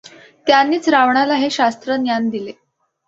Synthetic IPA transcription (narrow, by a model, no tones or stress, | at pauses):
t̪janːiːt͡sɾaʋɳalaɦeɕast̪ɾənjand̪ile